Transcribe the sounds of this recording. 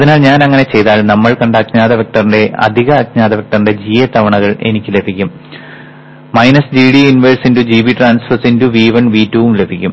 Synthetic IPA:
ɐðinaːɭɲaːnɐŋːɐne̞t͡ɕe̞jt̪aːɭnɐmːɐɭkɐɳɖaːkɲaːðɐʋek̚ʈɐrinde̞ɐ̰d̪ʱiɣɐːkɲaːðɐʋek̚ʈɐrinde̞d͡ʑiːjɐt̪ɐʋɐɳɐɣɐɭe̞̰nikʲːɨle̞bʱikʲːum | mɐjnɐsd͡ʑiːɽiinʋeɻsindud͡ʑiːbiʈraːnsfɐrsinduʋiːʋɐɳʋiːtːuʋumlebʱikʲːum

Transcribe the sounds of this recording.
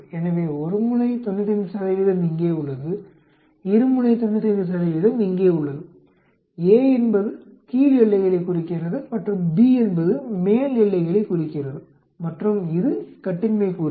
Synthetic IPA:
ɛnɐʋeːɔɾɯmɯɳɐɪt̪ɔnːɐt̪ːɪnd̪ɯsɐðɐɪʋɪðɐmɪŋɡeːʊɭːɐðɯ | ɪɾɯmɯnɐɪt̪ɔnːɐt̪ːɪnd̪ɯsɐðɐɪʋɪðɐmɪŋɡeːʊɭːɐðɯ | eːɛnbɐðɯ | t̪iːlɪɭːɐɪɣɐɭɐɪkːʊrɪkːɪrɐðɯmɐʈrɯmbiɛnbɐðɯmeːlɪɭːɐɪɣɐɭɐkʊrɪkːɪrɐðɯ | mɐʈrɯmɪðɯkɐʈːɪnmeːkuː

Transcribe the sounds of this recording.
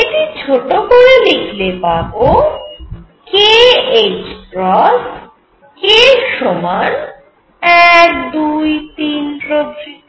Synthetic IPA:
eʈit͡ɕʰoʈokoɾelikʰlepabo | keet͡ɕpɾɔs | keʃoman | ɛkd̪ujt̪inɾobɾi

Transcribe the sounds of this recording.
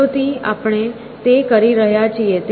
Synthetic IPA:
ʋt̪ia̰pɽ̃e | t̪ekəɾiɾəɦjat͡ʃʰiet̪

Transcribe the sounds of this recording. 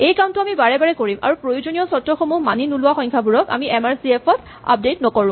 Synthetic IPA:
ejkantʊamibaɹɛbaɹɛkoɹima̰ɹupɹojuzonijɔsɔtːɔxɔmumaninulʊwaxɔ̃jŋkʰabuɹɔka̰miʔɛmaɹsiɛpʰɔtʰ | a̰p̚dejtnɔkɔɹʊ̃m

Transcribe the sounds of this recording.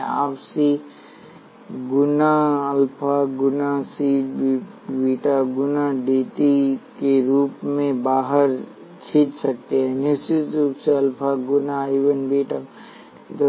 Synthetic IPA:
a̰ːpsi | ɡʊnaɐlpʰaɡʊnasiː | biːʈaɡʊnaɖeːt̪ikeɾuːpmẽbaːɦəɾ | t͡ʃʰiːt̪sɐk̚t̪eɦɛ̃nɪst͡ʃɪt̪ɾuːpseɐlpʰaɡʊnaiːʋənbiːʈa | t̪

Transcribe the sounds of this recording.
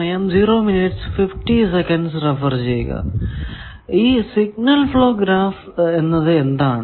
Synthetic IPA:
ɐjɐmd͡ʑiːɾoːminiʈsfifʈisekɐɳɖsrefɐrd͡ʑejṵɣɐ̰ | iːsiɡ̚nɐlfɭoːɡɾaːf | enːɐðɨend̪aːɳɨ

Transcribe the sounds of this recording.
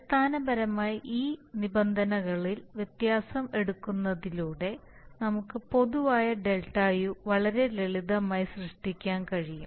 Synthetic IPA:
pst̪ʰaːnɐbɐɾɐmaːjiʔiːnibɐnd̪ʱɐnɐɣɐɭilʋjet̪jaːsɐme̞ɽukːunːɐðiluːɽe̞ | nɐmukːɨpo̞ðuʋaːjɐɖe̞lʈaːjuʋɐɭɐɾe̞leɭiðɐmaːjisrɨʂʈikʲːaːnkɐɻiju

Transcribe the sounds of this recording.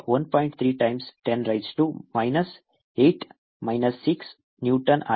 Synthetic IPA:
ʋɐnpɔjɳʈ̚t̪ʰɾiːʈajmsʈenɾajɖsʈumajnɐs | eːʈ | maɪnɐsːiks | njuːʈɐna

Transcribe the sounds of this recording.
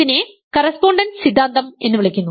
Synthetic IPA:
ine | kɐrɐspo̞ːɳɖɐnsid̪ʱːaːnt̪ɐme̞nːɨʋiɭ̤ikʲːunːu

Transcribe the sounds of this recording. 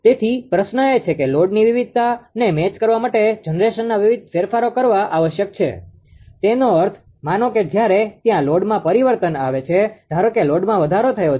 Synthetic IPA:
t̪et̪ʰipɾəʃnəet͡ʃʰekeloɖniʋiʋid̪̚ʱt̪anemet͡ʃkəɾʋamaʈed͡ʒənɾeʃənːaʋiʋid̪̚ʱfeɾfaɾokəɾʋaʔaʋəʃjək̚t͡ʃʰḛ | t̪enoəɾt̪ʰ | manoked͡ʒjaɾet̪jãloɖmãpəɾiʋəɾt̪ənaʋet͡ʃʰed̪̥ʱaɾəkeloɖmãʋəd̪ʱaɾot̪ʰəjo

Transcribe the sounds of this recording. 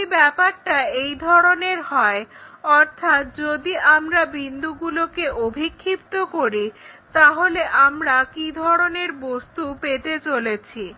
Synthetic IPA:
ibɛpaɾʈaejd̪ʱɔɾoneɾɦɔeɔɾt̪ʰat̪̚d͡ʑod̪iʔamɾabind̪uɡulokeobʱikʰːip̚t̪okoɾit̪aɦoleʔamɾakid̪ʱɔɾoneɾbost̪upet̪et͡ɕolet͡ɕʰi

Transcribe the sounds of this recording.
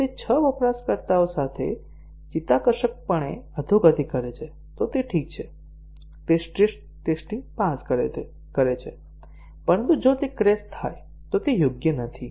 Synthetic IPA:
t̪et͡ʃʰəʋɔpɾaskəɾt̪aosat̪ʰḛ | d͡ʒit̪akəʃək̚pəɳḛəd̪ʱuɡət̪ikəɾet͡ʃʰe | t̪ot̪eʈʰik̚t͡ʃʰe | t̪esʈeʃ | ʈesʈiŋpãskəɾe | kəɾet͡ʃʰe | pəɾənt̪ud͡ʒot̪ekɾest̪ʰːa̰j | t̪ot̪ejʊɡjənət̪ʰi

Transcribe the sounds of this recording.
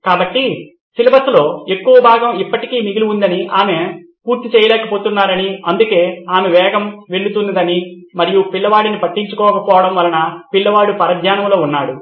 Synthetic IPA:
kaːbɐʈːi | silɐbɐslo̞ːe̞kːuʋɐbʱaːɡɐmipːɐʈikiːmiɡiluund̪ɐniʔaːme | puːɾt̪it͡ʃɛːjɐlɛːkɐpoːt̪unːaːɾɐniɐnd̪uke̞ːaːmeʋɛːɡɐmʋeɭːut̪und̪ɐd̪ɐni | mɐɾijupiɭːɐʋaːɽinipɐʈːiɲt͡ʃukɔːkɐpɔːʋɐɽɐmʋɐlɐnɐpiɭːɐʋaːɽupɐɾɐd̪jaːnɐmlo̞ːunːaːɽu

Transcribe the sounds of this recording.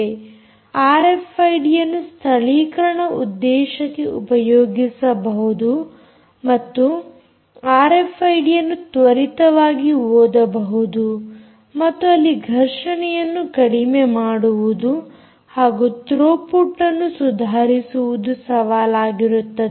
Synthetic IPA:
aːɾepʰɐjɖijɐnːust̪ʰɐɭiːkɐɾɐɳɐṵd̪ːɛːʃɐkːeʔupɐjoːɡisɐbɐɦud̪u | mɐt̪ːu | aːɾepʰɐjɖijɐnːut̪ʋɐɾit̪ɐʋaːɡioːd̪ɐbɐɦud̪u | mɐt̪ːuɐlːiɡʱɐɾʂɐɳɛjɐnːukɐɽimemaːɽuʋud̪u | haːɡut̪ɾoːpuʈːɐnːusud̪ʱaːɾisuʋud̪usɐʋaːlaːɡiɾut̪ːɐe

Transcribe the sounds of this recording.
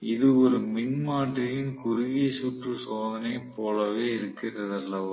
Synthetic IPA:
ɪðɯɔɾɯmɪnmaːʈrɪjɪnkʊɾɪɣeːsuːʈrɯsoːðɐnɐɪpoːlɐʋeːɪɾɯkːɪnrɐðɐlːɐʋ

